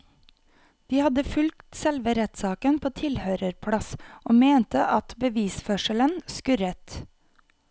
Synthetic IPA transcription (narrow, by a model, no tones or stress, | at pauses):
d̪̥iːhɑd̪əfʉlkt̪sɛlʋəɾɛt̪sɑːkənpʰoːt̪ʰɪlhøːɾəɾpʰɽɑsoːmeːnt̪əʔɑt̪bəʋiːsfœʃələnskʉɾət̪